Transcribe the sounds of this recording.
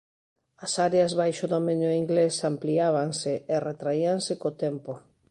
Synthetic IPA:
asaɾeazβajʃoðomẽɲoiŋɡlesampliaβ̞aŋsɪeret̪ɾaiaŋsɪkot̪empo

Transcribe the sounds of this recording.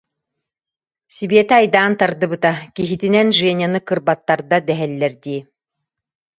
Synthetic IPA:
sibeɛt̪ɛajd̪aːnt̪aɾd̪ɯbɯt̪akiɦit̪inɛnʒɛnʲanɯkɯɾbat̪ːaɾd̪ad̪ɛɦɛlːɛɾd̪iː

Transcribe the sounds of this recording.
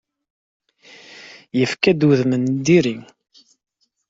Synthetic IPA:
jəfkæd̪uðmənd̪iɾi

